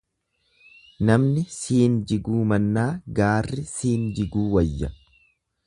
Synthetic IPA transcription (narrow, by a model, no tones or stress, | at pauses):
nɐmnɪsiːnd͡ʒɪɡuːmɐnːaːɡaːrːɪsiːnd͡ʒɪɡuːwɐjːɐ